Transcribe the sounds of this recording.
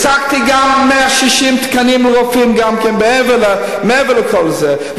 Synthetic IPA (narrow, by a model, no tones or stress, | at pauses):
sak̚t̪iɡamːɛaʃiʃimt̪kanimlʁofimɡamkɛnbɛɛvəlɛ | meɛvələkʰɔlˠzɛ